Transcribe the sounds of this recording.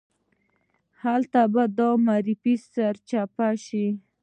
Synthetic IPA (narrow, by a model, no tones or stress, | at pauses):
halt̪abad̪omaɾifisaɾt͡ʃapaʃi